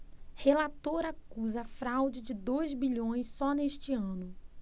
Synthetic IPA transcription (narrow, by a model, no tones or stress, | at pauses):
helat̪oɾakuzɐfɾawd͡ʒɪd͡ʒɪd̪ojzbiʎõj̃sːɔneʃt͡ʃɪɐ̃nʊ